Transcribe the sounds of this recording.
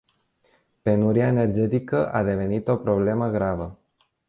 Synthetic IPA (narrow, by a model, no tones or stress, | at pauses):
pe̞nuɾiaene̞rd͡ʒe̞t̪ikəʔa̰d̪e̞ve̞nit̪o̞pɾo̞ble̞məɡɾavə